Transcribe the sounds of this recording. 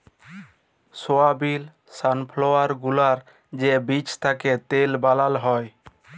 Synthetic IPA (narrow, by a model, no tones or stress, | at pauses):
soabil | sanpʰloaɾɡulaɾ | d͡ʒebit͡ʃt̪ʰaket̪elbalalɦɔj